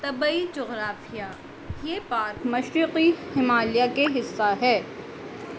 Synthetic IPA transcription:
t̪ɐbid͡ʒʊɣɾaːfija | jeːpaːɾkmɐʃɾiqihɪmaːlijakeɦɪsːaɦɛː

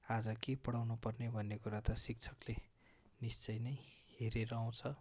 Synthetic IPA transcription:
ad͡zʌkepʌɽawnupʌrnebʱʌnːekuɾat̪ʌsik̚t͡sʰʌkle | nist͡sʌjnʌjheɾeɾʌaw̃t͡sʰʌ

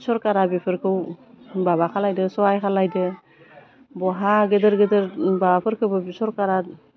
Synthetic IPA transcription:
sɔɾkaɾabipʰɯɾkʰɯw | baβakʰalajdɯsɔajkʰalajdɯ | bɔɦaɡedɯɾɡedɯɾbaapʰɯɾkʰɯwbɯbisɔɾkaɾat̚

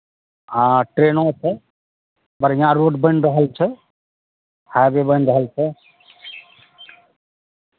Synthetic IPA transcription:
ɦãʈɾeːnõt͡ʃʰɛ | pəɾĩãɾoːɖbənɾəɦəlt͡ʃʰɛ | habebənɾəɦəlt͡ʃʰɛ

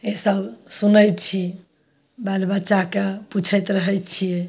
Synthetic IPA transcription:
esəbsunəjt̪t͡ʃʰi | balbətːʃakeput͡ʃʰəjt̪ɾəɦɛjt̪t͡ʃʰije

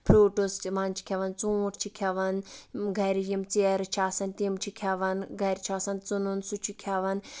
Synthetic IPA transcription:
pʰɾoːʈosmaːnt͡ʃʰi̥kʲʰɐʋɐnt͡sũːʈʰt͡ʃʰikʲʰɐʋɐnɡɐɾijimt͡seɾt͡ʃʰaːsɐnt̪imt͡ʃʰikʰʲɐʋɐnɡʱɐɾʲt͡ʃʰaːsɐnt͡sununsut͡ʃʰikʲʰɐʋɐn

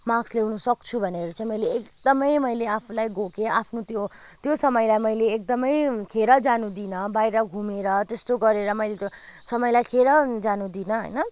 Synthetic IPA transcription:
mãɡsleɦunʌsʌk̚t͡sʰubʱʌneɾut͡saĩmʌjleːkd̪ʌmʌjmʌjleapʰulajɡokeapʰnut̪jo | t̪josʌmʌjlajmʌjleːk̚d̪ʌmʌjkʰeɾʌd͡zanud̪inʌbajɾʌɡʱumeɾʌt̪est̪oɡʌɾeɾʌmʌjlet̪jo | sʌmʌjlajkʰeɾʌd͡zanud̪inʌɦʌ̰jnʌ

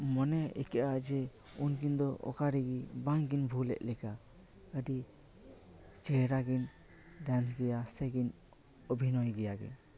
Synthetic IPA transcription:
mɔnɛɛ̰kɛʔad͡ʒɛunkind̪ɔʔɔ̰kaɾiɡibaŋkinbʱulɛ̰ʔlɛka | əɖi | t͡ʃɛɦɾaɡin | ɖans̬ɡɛjasɛɡin | ɔbʱinɔjɡɛjaɡḭn

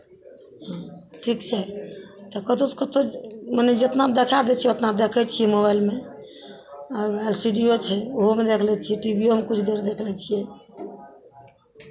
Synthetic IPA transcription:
ɦãʈʰikt͡ʃʰɛt̪ɔkət̪oskət̪omənɛd͡ʒet̪nad̪ekʰad̪ɛt͡ʃʰiɛot̪nabd̪ekʰɛt͡ʃʰijɛmoβailme | aɛlsiɖiot͡ʃʰɛoɦomed̪ekʰlɛt͡ʃʰijɛʈibiomekut͡ʃʰd̪eɾd̪ekʰlɛt͡ʃʰijɛ

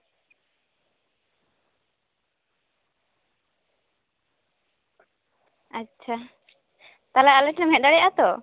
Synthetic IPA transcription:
atːt͡ʃʰa | t̪alaalɛʈnɛmɛɖaɽɛjaʔat̪ɔ

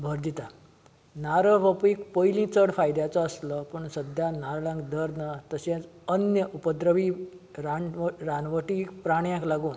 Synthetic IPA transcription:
bʱəɾd̪it̪a | naɾəʋapikpəjlĩt͡səɽfajd̪jat͡saːsləpəɳsəd̪ʱjanaɾɭãŋɡd̪əɾnat̪əsãt͡s | ənjəʔupəd̪ɾəʋiɾaɾanʋəʈikpɾaɽ̃jãklaɡuːn

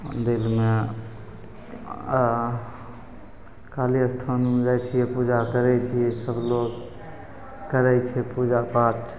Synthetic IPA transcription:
d̪ilme | kaliəst̪ʰand͡ʒajt͡ʃʰijɛpud͡ʒakəɾɛt͡ʃʰijɛsəbʱloɡ | kəɾɛt͡ʃʰɛpud͡ʒapaʈ

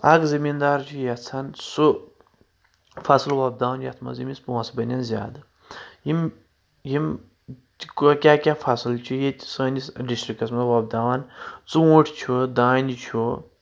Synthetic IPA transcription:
ɐkzɐmind̪aːɾt͡ʃʰujɐt͡sʰɐnsu | fɐslwɐb̚d̪aːwɐnjɐt̪ʰmɐ̰zimʲispõːsbɐnʲɐnzʲja̰ːd̪ɨ | jim | jim | kokʲaːkʲaːfɐslt͡ʃʰujet̪ʲsəːnisɖisʈɾikɐsmɐwɐb̚d̪aːʋɐnt͡suuʈʰt͡ʃʰud̪aːnʲit͡ʃʰu

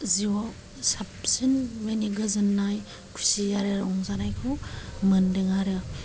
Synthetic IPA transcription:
ziwɔ | sap̚sɯnmeniɡɐzɯnːaj | kʰu̥sijaɾeɾɔŋzanajkʰɔmɯndɯŋaɾɯ

